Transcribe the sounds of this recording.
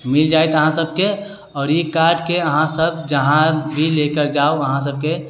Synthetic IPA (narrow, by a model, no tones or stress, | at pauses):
mɪld͡ʒaːet̪əɦãsəb̚ke | ɔːɾjekaːɾɖkeəɦãsəbd͡ʒəɦãbʱileːkəɾd͡ʒaːoəɦãs̬əb̚ke